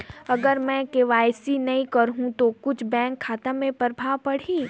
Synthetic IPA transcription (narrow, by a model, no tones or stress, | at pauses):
ɐɡəɾmɛ̃keʋaːjsinɐɦĩkɐɾɦũt̪okʊt͡ʃʰbɛ̃ːŋkʰːaːt̪amẽpəɾbʱaːʋpɐɽ̤iː